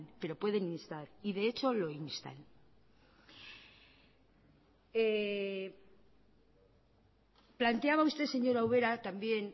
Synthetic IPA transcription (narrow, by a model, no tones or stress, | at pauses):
npe̞ɾo̞pwe̞ðe̞ninst̪aɾiðeet͡ʃo̞lo̞inst̪a̰n | e | plant̪eaβaust̪e̞se̞ɲo̞ɾauβe̞ɾat̪ambjen